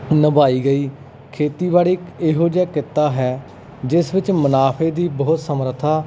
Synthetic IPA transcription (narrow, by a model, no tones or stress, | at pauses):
nəbaːiːɡəiː | kʰeːt̪iːbaːɽiːkeːɦoːd͡ʒɛːkɪt̪ːaːɦɛː | d͡ʒɪsʋɪt͡ʃmənaːpʰeːd̪iːbɔʊt̪səmɾət̪ʰaː